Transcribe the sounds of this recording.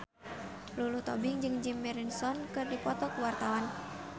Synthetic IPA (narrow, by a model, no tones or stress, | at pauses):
lulut̪ɔbɪŋd͡ʒɨŋd͡ʒimːɛɾinsɔnkɨrdipɔt̪ɔkuwart̪awan